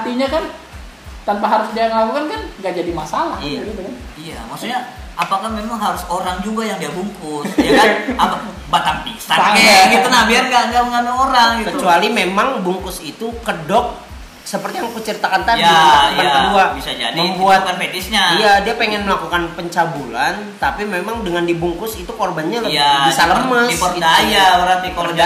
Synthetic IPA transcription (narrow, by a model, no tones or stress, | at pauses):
hat̪iɲakan | t̪anpaɦaɾʊsdiaŋəlakukankanŋɡaʔd͡ʒadimasalahɡit̪ukanijamaksuɲaʔapakahmemaŋɦaɾʊsoɾaŋd͡ʒuɡajaŋdiabuŋkʊsjakaapa | bat̪ampist̪aaɡit̪unabiarɡaŋɡaməŋanuoɾaŋɡit̪kət͡ʃualimemaŋbuŋkʊsit̪ukədɔk̚ | səpərt̪ijaŋpət͡ʃəɾit̪akant̪ajaabanəuabisad͡ʒa̰dmiəmbuat̪əfedɪsɲaijadiapeŋɛnməlakukanpəɲt͡ʃabulant̪apimemaŋdəŋandibuŋkʊsit̪ukorbanɲalabisaləməsɔjaɾat̪iɔa